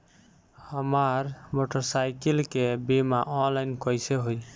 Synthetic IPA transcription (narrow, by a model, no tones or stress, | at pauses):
həmaɾmoʈəɾsajkilkebemaʔɔnlajnkɔjseɦoj